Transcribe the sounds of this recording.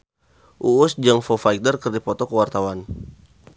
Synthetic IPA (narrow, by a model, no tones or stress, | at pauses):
ʔuʊsd͡ʒaŋfɔfaidərkərdipɔt̪ɔkəwart̪awan